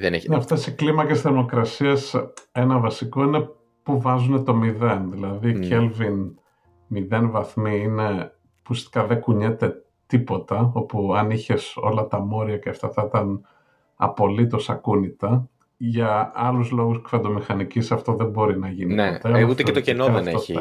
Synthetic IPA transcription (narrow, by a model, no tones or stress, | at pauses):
ðennɐft̪esiklimɐcesθeɾmo̞kɾɐsiɐse̞nɐvɐsiko̞ine̞ | puvɐzune̞t̪o̞miðe̞nðilɐðicelvin | miðe̞nvɐθmiine̞ | pusst̪i̥kɐðe̞kuɲe̞t̪e̞ | t̪ipo̞t̪ɐo̞puɐniçe̞so̞lɐt̪ɐmo̞ɾiɐceɐft̪ɐθɐit̪ɐn | ɐ̰po̞lit̪o̞sɐkunit̪ɐ | ʝɐɐluzlo̞ɣuskfɐnd̪o̞mixɐnicisɐft̪o̞ðe̞mbo̞ɾinɐʝinieeut̪eket̪ocenoðeeoḭ